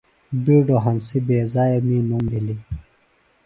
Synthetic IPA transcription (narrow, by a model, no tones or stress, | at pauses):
biːɖoɦɐnsibeːzaːjemĩːnumbili